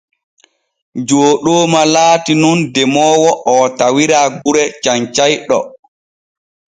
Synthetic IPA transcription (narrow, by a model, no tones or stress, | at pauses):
d͡ʒoːɗoːmalaːtinundɛmɔːwɔʔɔtawiɾaːɡuɾɛt͡ʃaɲt͡ʃajɗɔ̰